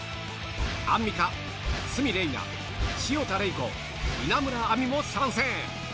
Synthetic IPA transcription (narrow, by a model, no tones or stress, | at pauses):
amʲːika | sɨmʲiɾe̞ina̰ | ɕiot̪aɾeiko̰ | inamɯ̟ɾaːmʲimosãɰ̃sẽ